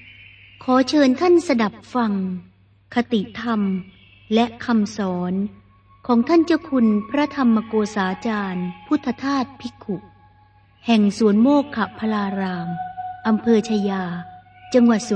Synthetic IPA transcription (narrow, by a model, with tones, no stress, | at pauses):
kʰɔː˩˦t͡ɕʰɤː˧nt̪ʰa˥˩nsa˧da˨˩p̚fa˧ŋ | kʰa˧t̪i˨˩ʔt̪ʰa˧m | lɛ˦˥ʔkʰa˧msɔː˩˦n | kʰɔː˩˦ŋt̪ʰa˥˩nt͡ɕa˧˩kʰu˧npʰɾa˦˥t̪ʰa˧mːa˧koː˧saː˩˦t͡ɕaː˧npʰu˦˥t̪ʰːa˧t̪ʰaː˥˩t̪̚pʰi˦˥kʰu˨˩ʔ | hɛ˨˩ŋsuː˨˩˦ənmoː˥˩kʰːa˨˩pʰa˧laː˧ɾaː˧mʔa˧mpʰɤː˧t͡ɕʰa˧jaː˧ | t͡ɕa˧ŋwa˨˩t̪̚su˩˦